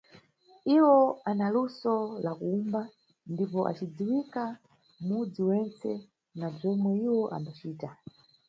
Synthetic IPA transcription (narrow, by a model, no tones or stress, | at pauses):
iwɔanalusɔlakuumba | ndipɔʔa̰t͡ʃid͡ziwika | mud͡ziwɛnt͡sɛ̰ | nab͡ʐɔmwɛiwɔʔa̰mbat͡ʃiːta